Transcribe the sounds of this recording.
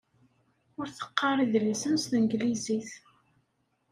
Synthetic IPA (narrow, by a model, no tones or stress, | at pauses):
ʊɾθə̥qːɑɾˤiðləsənsθənɡliziθ